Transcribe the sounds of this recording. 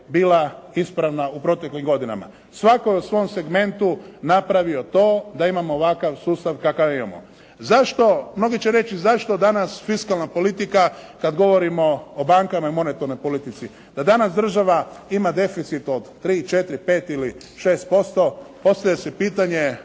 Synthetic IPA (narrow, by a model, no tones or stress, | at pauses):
biːlaispɾaʋnaupɾo̞t̪e̞klimɡo̞d̪ina̰ma̰ | sʋako̞jeusʋo̞mse̞ɡme̞nt̪unapɾaʋio̞t̪o̞ːd̪aimamoːʋakaʋsuːst̪aʋkakaʋimamo̰ | zaʃt̪o̞mno̞ɡit͡ɕeɾe̞t͡ʃizaʃt̪od̪anasfiskalnapo̞lit̪ikakad̪ɡo̞ʋo̞ɾimo̞ːbaŋkamaimo̞ne̞t̪oɾnojpo̞lit̪it̪si | d̪̥ad̪anasd̪r̩ʒaʋaimad̪e̞fit̪sit̪o̞d̪ːɾiːt͡ʃe̞t̪ɾipe̞ːt̪ili | ʃe̞ːst̪̚po̞st̪o̞po̞st̪aʎesepiːt̪aɲe̞